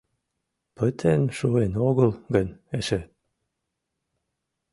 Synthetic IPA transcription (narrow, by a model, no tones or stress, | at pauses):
pət̪ʰenʃuenoɣəlɡəneʃe